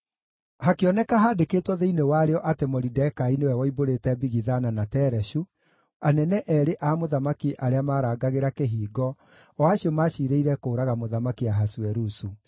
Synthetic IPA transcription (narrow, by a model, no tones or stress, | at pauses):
hakeɔnɛkaɦaːdekeːtwɔðeinewaɾeɔʔatemɔɾidɛkainewɛwɔiboɾetɛbiɣiðananatɛɾɛɕu | anɛnɛʔɛɾeʔamoðamakiʔaɾeamaːɾaːɡaɣeɾakeɦiːɡɔ | aɕiɔmaʃiɾeiɾɛkoːɾaɣamoðamakiaɦaswɛɾusu